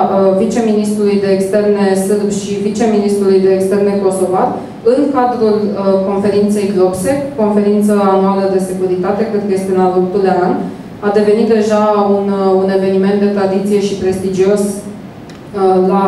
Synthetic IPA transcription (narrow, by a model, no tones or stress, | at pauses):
vit͡ʃe̞minist̪ɾulujd̪e̞ːkst̪e̞rne̞sɨlbʃivit͡ʃe̞minist̪ɾulujd̪e̞ːkst̪erneko̞so̞vat̪ | ɨŋkad̪ɾulko̞nfe̞ɾint̪se̞jɡlo̞kse̞ko̞nfe̞ɾint̪səanualəd̪e̞se̞kuɾit̪at̪e̞kenɡest̪iunalok̚t̪uld̪ean | ad̪e̞ve̞nit̪̚d̪e̞ʒaunune̞ve̞nime̞nt̪̚d̪e̞t̪ɾad̪it̪sije̞ʃipɾe̞st̪id͡ʒio̞s | la